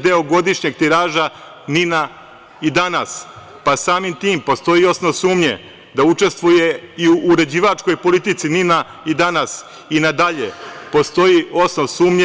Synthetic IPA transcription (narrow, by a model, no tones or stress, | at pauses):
d̪e̞oɡo̞d̪iʃɲe̞ɡ̚t̪iɾaːʒa | nina | id̪anas | pasaːmimt̪iːmpo̞st̪o̞io̞snoʋsuːmɲḛ | d̪aut͡ʂe̞st̪ʋuje̞iuʔːɾe̞d͡ʑiːʋat͡ʃko̞jpo̞lit̪it̪sinina | id̪anas | inad̪aʎḛpo̞st̪o̞jio̞snoʋsuːmɲe